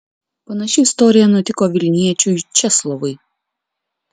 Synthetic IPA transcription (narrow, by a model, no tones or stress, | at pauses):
pɐnɐʃʲɪɪst̪ɔːɾʲɪjɛnʊt̪ʲɪkoːʋʲɪlʲnʲiɛt͡ʃʲut͡ʃʲɛslˠɔʋʊɪ